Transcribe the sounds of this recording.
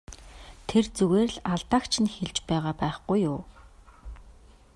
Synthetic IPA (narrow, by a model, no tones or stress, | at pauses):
t̪ʰert͡suɣeːrɮaɮt̪aːkt͡ɕʰɪ̆nxeɮt͡ɕpæːʁaːpæːχɡujːʊː